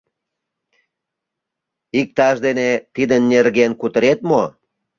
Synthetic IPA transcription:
ik̚t̪ɑʃd̪enet̪id̪ənːerɣenkut̪əɾet̪mo

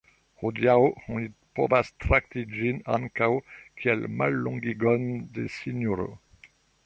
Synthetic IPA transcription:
ʁod̪jawhɔ̃ipɔ̰vast̪ɾak̚t̪id͡ʒinankawkʰiɛl̰ma̰lːɔ̃ɡiɡɔnd̪esinoɾo̰

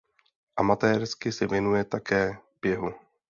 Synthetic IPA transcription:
ʔamat̪ɛːɾskɪsɛvjɛnujɛt̪akɛːb̥jɛɦu

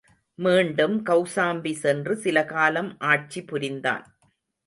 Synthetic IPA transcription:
miːɳɖɯmkɐʊsaːmbisɛndrɯsɪlɐkaːlɐmʔaːʈ̚t͡ʃipʊɾɪnd̪a̰ːn

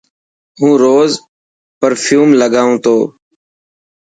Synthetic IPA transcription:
ɦũːɾoːz | pəɾfʰjuːmləɠaːũːt̪ʰoː

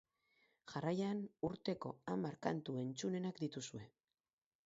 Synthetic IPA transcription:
ʝarajanuɾt̪e̞ko̞amaɾkant̪ue̞nt͡sune̞nakd̪it̪usue̞

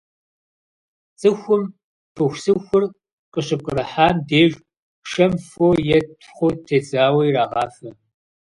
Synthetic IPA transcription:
t͡sʼɨxʷʊm | tʰɨxʷsɨxʷʊr | qʼəɕɪp̚kʼərɐħaːndeːɮ | ʃɐmfojɛtʰχʷʊtʰeːzaːwɐjraːʁɑːfɐ

